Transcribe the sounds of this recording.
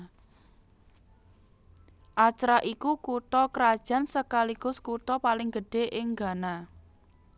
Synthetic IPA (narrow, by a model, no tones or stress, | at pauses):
ʔat͡ʃɾaʔikukut̪ɔkɾad̥ʒ̥ä̤nsəkaliɡ̥ʊ̤skut̪ɔpalɪŋɡ̥ə̤ɖ̥e̤ʔɪŋɡa̤na